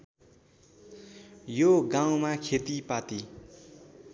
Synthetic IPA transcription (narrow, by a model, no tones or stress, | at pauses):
joɡãwmakʰet̪ipat̪i